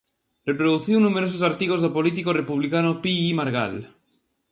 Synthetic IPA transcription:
repɾoðuθiunːumeɾos̬osaɾt̪iɣozðopolit̪̬ikorepuβlikanopiimaɾɣa̰l

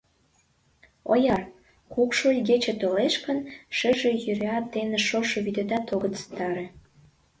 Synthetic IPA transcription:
o̰jɑr | kukʃolʲɡet͡ɕĕt̪oleʃkə̆nʃə̆ʒĕjyɾɑt̪ːeneʃoʃoβyd̪et̪ɑt̪oɣət̪t͡sə̥t̪ɑɾĕ

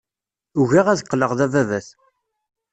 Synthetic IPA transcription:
uʝæʁæðəqːləʁðævævæθ

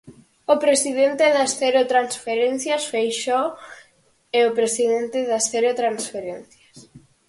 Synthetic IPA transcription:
ʊpɾesiðent̪ɪðɐsθeɾot̪ɾansfeɾen̟θjasfejʃɔo | eopɾesiðent̪ɪðasθeɾot̪ɾansfeɾenθjɐs

